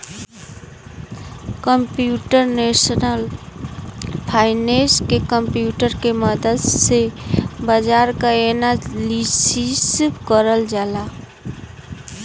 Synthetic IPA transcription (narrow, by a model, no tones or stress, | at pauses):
kəmpjuʈəɾnesənəl | pʰaːɪneskekəmpjuʈəɾkeməd̪əd̪sebəd͡ʒaɾkaenalisisbkəɾəld͡ʒaːla